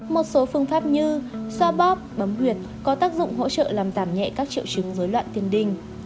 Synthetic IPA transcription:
mo˨˩t̚so˨˦fɨ˧əŋfaː˦˥p̚ɲɨ˧swaː˧ɓɔ˦˥p̚ɓə˨˦mhwi˨˩ət̚ | kɔ˨˦t̪aː˦˥k̚zʊ̰˧˨ŋ͡mɦo̰˧˥t͡ɕə̰ː˧˨laː˨˩mzaː˧˩mɲɛ̰˧˨kaː˦˥k̚t͡ɕḭ˧˨əwt͡ɕɨ˨˦ŋzəː˨˦jlwa̰ː˧˨nt̪i˧ənɗï˧˩ŋ̟

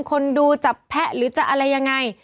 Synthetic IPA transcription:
ŋkʰo˧nduː˧t͡ɕa˨˩ppʰːɛ˦˥ʔɾɯː˨˩˦t͡ɕa˨˩ʔa˧ɾa˧jːa˧ŋːa˧j

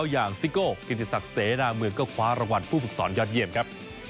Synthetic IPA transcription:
wjaː˨˩ŋsi˦˥koː˥˩ki˨˩t̪̚ʰːi˨˩sa˨˩k̚seː˨˩˦daː˧mɯ˧ŋkɔː˥˩kʰwaː˦˥ɾa˧wa˨˧n̚pʰuː˥˩fɯ˨˩k̚sɔː˩˦njɔː˦˥t̪̚ji˧əmkʰa˦˥p̚

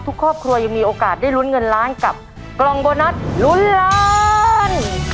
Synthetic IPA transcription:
t̪ʰu˦˥kʰɾɔː˥˩p̚kʰɾu˧ɐja˧ŋmiː˧ʔoː˧kaː˨˩t̪̚da˥˩jlu˦˥nŋɤ˧nɾaː˦˥nka˨˩p̚ | klɔ˧ŋboː˧na˦˥t̪̚lu˦˥nɾaː˦n

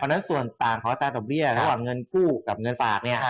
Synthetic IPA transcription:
pʰːna˦˥nsu˨˩ənt̪aː˨˩ŋkʰɔː˨˩˦ʔa˧t̪aː˧dɔː˨˩k̚bi˥˩ɐɾa˦waː˨˩ŋːɤ˧nkʰuː˥˩ka˨˩p̚ŋɤ˧nfaː˨˩k̚ni˥˩ɐ

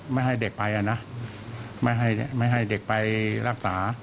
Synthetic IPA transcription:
ma˥˩jɦa˥˩jde˨˩k̚pa˧jʔa˧˩na˦˥ | ma˥˩jɦa˥˩jma˥˩jɦa˥˩jde˨˩k̚pa˧jɾa˧˩k̚saː˩˦

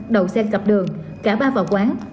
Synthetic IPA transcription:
ɗə˨˩wsɛ˧nkə˨˩p̚ɗɨ˨˩əŋ | kaː˧˩ɓaː˧vaː˨˩wkwaː˨˦ŋ

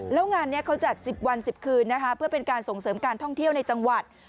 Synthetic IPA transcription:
lɛː˦˥wŋaː˧nːi˦˥ɐkʰa˦˥wt͡ɕa˨˩t̪̚si˨˩p̚wa˧nsi˨˩p̚kʰɯː˧nːa˦˥kʰa˦˥pʰɯ˥˩əpe˧nkaː˧nso˨˩ŋsɤː˩˦mkaː˧nt̪ʰɔ˥˩ŋt̪ʰi˥˩əwna˧jt͡ɕa˧ŋwa˨˩t̪̚

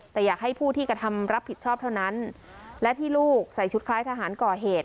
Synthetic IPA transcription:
t̪ɛː˨˩jaː˨˩k̚ha˥˩jpʰuː˥˩t̪ʰiː˥˩kɾa˧t̪ʰa˧mɾa˦˥pʰːi˨˩t̪̚t͡ɕʰɔː˥˩p̚t̪ʰa˥˩wna˦˥n | lɛ˦˥t̪ʰiː˥˩luː˥˩k̚sa˨˩jt͡ɕʰu˦˥t̪̚kʰlaː˦˥jt̪ʰa˧ɦaː˩˦nkɔː˨˩ɦeː˨˩t̪̚

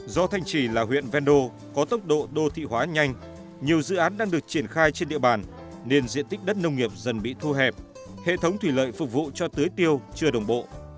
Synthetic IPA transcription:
zɔ˧t̪ʰa˧jŋ̟t͡ɕi˧˩laː˨˩ɦwḭ˧˨ənvɛ˧nɗo˧ | kɔ˨˦t̪ə˦˥wk͡p̚ɗo̰˧˨ɗo˧t̪ʰḭ˧˨ɦwaː˨˦ɲa˧jŋ̟ | ɲi˨˩əwzɨ̰˧˨ʔaː˨˦nɗaː˧ŋɗɨ˨˩ək̚t͡ɕi˧˩ənxaː˧jt͡ɕe˧nɗḭ˧˨əɓaː˨˩n | ne˧nzḭ˧ənt̪i˦˥k̟̚ɗə˦˥t̚nə˧wŋ͡mŋi˨˩əp̚zə˨˩nɓḭ˧˨t̪ʰu˧ɦɛ˨˩p̚ | hḛ˧˨t̪ʰə˨˦wŋ͡mt̪ʰwi˧˩lə̰ː˧˨jfʊ˨˩k̚vṵ˧˨t͡ɕɔ˧t̪ɨ˨˦jt̪i˧əwt͡ɕɨ˧əɗə˨˩wŋ͡mɓo̰˧˨

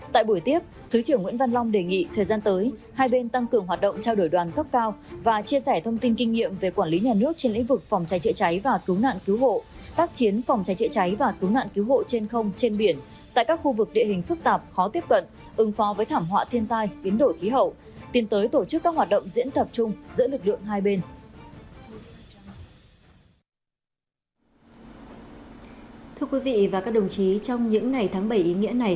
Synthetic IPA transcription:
t̪a̰ː˧˨jɓu˧˩jt̪i˦˥əp̚t̪ʰɨ˨˦t͡ɕi˧˩əŋḭ˧˥nva˧nla˧wŋ͡mɗe˨˩ŋḭ˧˨t̪ʰəː˨˩jzaː˧nt̪əː˨˦jhaː˧jɓe˧nt̪a˧ŋkɨ˨˩əŋɦwaː˨˩t̚ɗə̰˧˨ŋ͡mt͡ɕa˧wɗo˧˩jɗwaː˨˩nkə˦˥p̚kaː˧wvaː˨˩t͡ɕi˧əsɛ˧˩t̪ʰə˧wŋ͡mt̪i˧nki˧ŋ̟ːḭ˧˨əmve˨˩kwaː˧˩nli˨˦ɲaː˨˩nɨ˦˥ək̚t͡ɕe˧nlḭ˧˥ŋ̟vɨ˨˩k̚fɔ˨˩wŋ͡mt͡ɕa˨˦jt͡ɕɛ̰˧˨t͡ɕa˨˦jvaː˨˩kɨ˨˦wna̰ː˧˨nki˨˦wɦo̰˧˨t̪aː˦˥k̚t͡ɕi˨˦ənfɔ˨˩wŋ͡mt͡ɕa˨˦jt͡ɕɛ̰˧˨t͡ɕa˨˦jvaː˨˩kɨ˨˦wna̰ː˧˨nki˨˦wɦo̰˧˨t͡ɕe˧nxə˧wŋ͡mt͡ɕe˧nɓi˧˩ən | t̪a̰ː˧˨jkaː˦˥k̚xu˧vɨ˨˩k̚ɗḭ˧˨əhï˨˩ŋ̟fɨ˦˥k̚t̪aː˨˩p̚xɔ˨˦t̪i˦˥əp̚kə̰˧˨n | ʔɨ˨˦ŋfɔ˨˦vəː˨˦jt̪ʰaː˧˩mɦwa̰ː˧˨t̪ʰi˧ənt̪aː˧jɓi˨˦ənɗo˧˩jxi˨˦ɦə̰˧˨w | t̪i˨˦nt̪əː˨˦jt̪o˧˩t͡ɕɨ˦˥kːaː˦˥k̚wa˨˩t̚ɗə̰˧˨wŋ͡mzḭ˧˥ənt̪ʰə˨˩p̚t͡ɕʊ˧ŋ͡mzɨ̰˧˥əlɨ˨˩k̚lɨ̰˧˨əŋɦaː˧jɓe˧n | t̪ʰɨ˧əkwi˨˦vḭ˧˨vaː˨˩kaː˦˥k̚ɗə˨˩wŋ͡mt͡ɕi˨˦t͡ɕɔ˧wŋ͡mɲɨ̰˧˥ŋːa˨˩jt̪ʰaː˨˦ŋɓə˧˩jʔi˨˦ŋḭ˧˥əna˨˩j

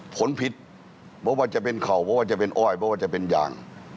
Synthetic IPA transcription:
pʰo˨˦npʰi˧t̪̚ | bɔ˦˥waː˧˩t͡ɕa˨pe˧nkʰa˨˩wbʰɔ˦˥waː˧˥˩t͡ɕa˨˩pe˧nʔɔː˧˥˩jbɔː˧˦˥waː˥˩t͡ɕa˨˩pe˧nja̰ː˨˧ŋ

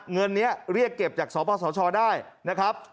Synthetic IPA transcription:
ŋɤ˧nːi˦˥ɐɾi˥˩əkːe˨˩p̚t͡ɕaː˨˩k̚sɔː˩˦˥pʰɔː˧sɔː˩˦t͡ɕʰɔː˧daː˥˩jna˦˥kʰa˦˥p̚

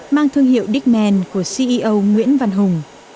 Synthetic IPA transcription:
maː˧ŋt̪ʰɨ˧əŋɦḭ˨˧˨əwɗi˦˥k̚mɛ˧˩nku˧˩əsi˧ʔi˧ʔə˧wŋwḭ˧˥ənva˧nɦʊ˨˩ŋ͡m

